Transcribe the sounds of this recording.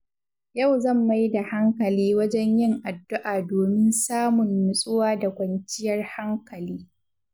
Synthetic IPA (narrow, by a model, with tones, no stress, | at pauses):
ja˦˨wzɐ˦˨mːa˦jda˨ha˦ŋkɐ˨liː˦wɐ˦d͡ʒɛ˦ɲjɪ˦ŋʔa˨dːʊ˦ʔaː˨doː˨mɪ˦nsaː˦mʊ˨ŋːʊ˨sʼʊ˦waː˦da˨kʷɐ˨nt͡ʃɪ˦jɐ˦rha˦ŋkɐ˨liː˦